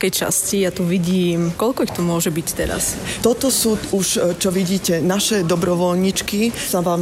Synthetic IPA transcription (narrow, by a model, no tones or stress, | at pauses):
kɛjt͡ʃa̰scijat̪uʋiɟiːmkɔʎkɔixt̪ɔmʊɔʒɛbict̪ɛɾa̰st̪ɔt̪ɔsuːuʃt͡ʃɔʋiɟiːcɛnaʃɛd̪ɔbɾɔʋɔʎɲit͡ʃkisaʋaːm